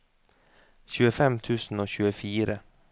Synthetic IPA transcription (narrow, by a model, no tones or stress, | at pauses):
çʉːəfɛmt̪ʰʉːsn̩oːçʉːəfiːɾə